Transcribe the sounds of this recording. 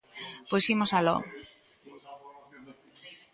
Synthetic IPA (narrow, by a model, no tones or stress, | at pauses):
pojsimosalɔ̰